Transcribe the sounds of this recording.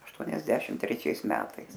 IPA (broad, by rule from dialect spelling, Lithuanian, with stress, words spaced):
ɐʃˈtuɔnʲɛsʲɛʃʲɪm tʲrʲɛˈt͡ʃʲɛɪs ˈmʲæːtɐɪs